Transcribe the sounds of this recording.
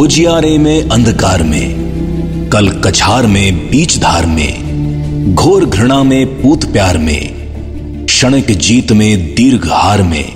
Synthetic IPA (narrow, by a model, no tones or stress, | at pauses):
ɦʊd͡ʒijaːɾemẽʔɐ̃nd̪ʱkaːɾmḛ̃ː | kɐlkɐt͡ʃʰaːɾmẽbiːt͡ʃd̪ʱaːɾmḛ̃ː | ɡʱoːɾɡʱɾɪɽ̃amẽpuːt̪pjaːɾmḛ̃ | ʃəɽ̃əkd͡ʒiːt̪mẽd̪iɾɡʱhaːɾmḛ̃ː